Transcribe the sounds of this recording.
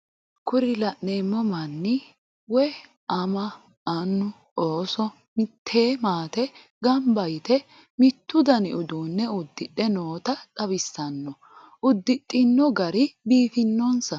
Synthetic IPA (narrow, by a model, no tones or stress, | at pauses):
kʊɾɪlɐʔneːmːɔmɐnːɪ | wɔ | ɐmɐ | ʔɐnːʊ | oːsɔ | mɪt̪ʰːeːmaːt̪ɛ | ɡɐmbɐjt̪ɛ | mɪt̪ːʊd̪ɐnɪʊd̪uːnːɛʊd̪ːɪɗɛnoːt̪ɐt̪ʼɐbɪsːɐnːɔ | ʔʊd̪ːɪɗʼːɪnːɔɡɐɾɪbiːfɪnːɔnsɐ